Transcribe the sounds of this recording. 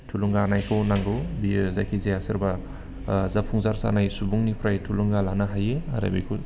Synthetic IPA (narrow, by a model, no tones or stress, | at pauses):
tʰuluŋɡanajkʰɯwnaŋɡɯwbizakʰizeasɯɾba | zapʰuŋzaɾsa̰najsubuŋnipʰɾajtʰuluŋɡalanaɦajea̰ɾa̰bḭkʰu